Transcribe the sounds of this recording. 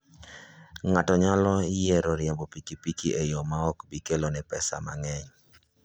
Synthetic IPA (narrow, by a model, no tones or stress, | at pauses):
ŋatɔɲalɔɪjeɾɔɾjɛmbɔpikipikiʔejɔmaɔkbikelonɛpɛsa̰maŋɛɲ